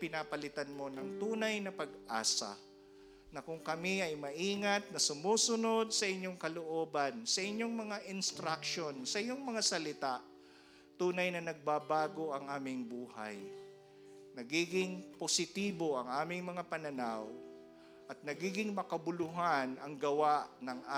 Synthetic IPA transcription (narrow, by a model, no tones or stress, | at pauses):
pɪnapɐlɪt̪anmo̞nɐŋt̪uːnɐjnɐpɐɡʔa̰ːsa̰ | nɐkʊŋkɐmɪɐjmɐʔiːŋɐt̪̚nɐsʊmuːsʊno̞d̪̚sɐʔɪɲːoŋkɐloʔo̞ːbɐnsɐʔɪɲːo̞ŋmɐŋaʔɪnst̪ɾakʃo̞nsɐʔɪɲo̞ŋmɐŋasɐlɪt̪aʔ | t̪uːnɐjnɐnɐɡ̚babaːɡo̞ʔɐŋʔaːmɪŋbuːha̰j | nɐɡiːɡɪŋposɪt̪iːbo̞ʔɐŋʔaːmɪŋmɐŋapɐnɐnaw | ʔɐt̪̚nɐɡiːɡɪŋmɐkɐbʊlʊɦanɐŋɡɐwaʔnɐŋʔa